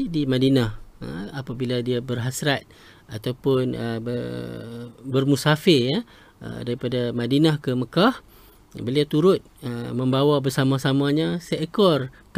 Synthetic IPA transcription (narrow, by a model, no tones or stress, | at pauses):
dimãdinahə̰apabiladiabərɦasɾat̪̚ | at̪awpʊnəbə | bərmusafɪrja | ə̰daɾipadamãdinahkəməkah | bəliawt̪uɾʊt̪̚əmə̃mbawabərsamãsamãɲãsɛʔkɔrk